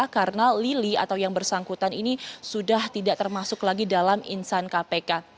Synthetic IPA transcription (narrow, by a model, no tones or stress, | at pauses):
akarənalilia̰t̪awjaŋbərsaŋkut̪aninisudaht̪idaʔt̪ərmasʊklaɡidalamḭnsankapeka